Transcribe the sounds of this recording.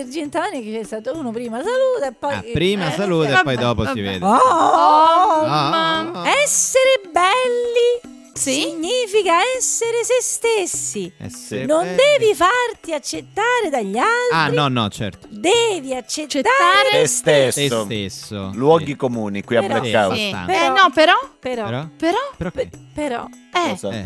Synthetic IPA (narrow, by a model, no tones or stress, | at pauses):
eɾd͡ʒent̪amaneket͡ʃːɛst̪aːt̪ouːnopɾiːmasaluːt̪aepːɔjpɾiːmasaluːt̪apɔjd̪ɔːposivḛːd̪ɔ | ɛsːeɾebɛlːi | ssiɲːiːfikaɛsːeɾesest̪esːinond̪ɛːvifart̪iat͡ʃːet̪ːaːɾed̪aʎːalt̪nɾiɔnɔ̰t͡ʃɛ̰ɾt̪d̪ɛːviat͡ʃːet̪ːaːaɾɾest̪esːoeso̰lwɔɡikomuːnikwiapːekːa̰ːv̰pnɔpeɾɔpeɾɔpeɾɔpeɾɔ̰ɛɔ